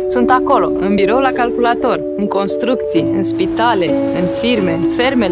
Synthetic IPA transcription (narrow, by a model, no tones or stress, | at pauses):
sunt̪ako̞lo̞ɨnbiɾo̞wulakalkulat̪o̞r | ɨŋko̞nst̪ɾuk̚t̪sijɨnspit̪ale̞ | ɨnfirme̞ɨnfe̞rme̞